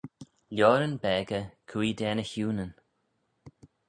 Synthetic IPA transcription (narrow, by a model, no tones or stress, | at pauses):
ljɔːɾənbɛːɡəkʰwiːd̪ɛːnəçuːnən